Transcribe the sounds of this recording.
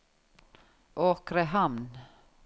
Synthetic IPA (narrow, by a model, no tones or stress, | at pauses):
ʔoːkɾəhɑmn